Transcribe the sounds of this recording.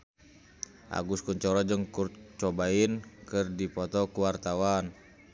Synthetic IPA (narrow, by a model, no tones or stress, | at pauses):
ʔa̰ɡuskuɲt͡ʃɔɾɔd͡ʒəŋkurt͡ʃɔbainkərdipɔt̪ɔkuwart̪awan